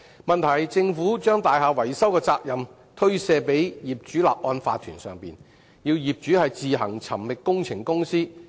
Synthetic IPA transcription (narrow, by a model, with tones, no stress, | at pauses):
mɐ˨nt̪ʰɐ˨˩jt͡sɪ˧ŋfuː˨˥t͡ʃœː˥ŋt̪aː˨jɦaː˨˧wɐ˨˩jsɐ˥wkɛː˧t͡saː˧k̚jɐ˨m | t̪ʰɵ˥ɥsɛː˧pe˨˥jjiː˨p̚t͡ʃyː˨˥la̰ː˨p̚ʔɔː˧nfa̰ː˧t̪ʰyː˨˩nsœː˨ŋpḭː˨n | jiː˧wjiː˨p̚t͡ʃyː˨˥hɐ˨jt͡siː˨ɦɐ̰˨˩ŋt͡sʰɐ˨˩mlɪ˨k̚kːʊ˥ŋt͡sʰɪ˨˩ŋkʊ˥ŋsiː˥